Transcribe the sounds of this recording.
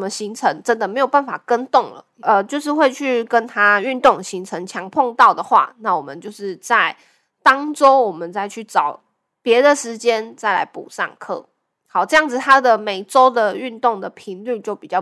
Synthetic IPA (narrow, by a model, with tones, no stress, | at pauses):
mə˧ɕi˧˥ŋt͡sʰə˧˦˥ŋʈ͡ʂə˦˥nd̪ə˨me˧˥ɪjo˨˩ʊpa˥˩nfa̰˨˩kə˦˥nt̪ʊ˥˩ŋlə̰˩ə˧t͡ɕjo˥˧ʊʂ̬ɻ̩˥˧xwe˥˧ɪt͡ɕʰy˥˩kə˦nt̪ʰa˥y˥˧nt̪ʊ˥˩ŋɕi˧˥ŋt͡sʰə˧˥ŋt͡ɕʰjɑ˧˥ŋpʰɔ˥˧ŋt̪ɑ˥˩ʊd̪ə˩xwa̰˥˧na˥˩wɔ˨˩mə˨˦nt͡ɕjo˥˧ʊʂɻ̩˥˧t͡sa˥˩ɪ | t̪ɑ˥ŋʈ͡ʂo˥ʊwɔ˨˩mə˦nt͡sa˥˧ɪt͡ɕʰy˥˩ʈ͡ʂɑ˨˩˦ʊ | pjɛ˧˥d̪ə˨ʂɻ̩˧˥t͡ɕjɛ˥nt͡sa˥˩ɪla̰˧˥ɪpṵ˨˩sɑ̰˥˧ŋkʰɤ̰˥˩ | xɑ˨˩ʊʈ͡ʂɤ˥˧jɑ˥˩ŋd͡z̩˨˩t̪ʰa˥d̪ə˨me˨˩ɪʈ͡ʂo˥ʊd̪ə˨y˥˧nt̪ʊ˥˩ŋd̪ə˩pʰi˧˥nly˥˧t͡ɕjo˥˩ʊpi˨˩t͡ɕjɑ˥˩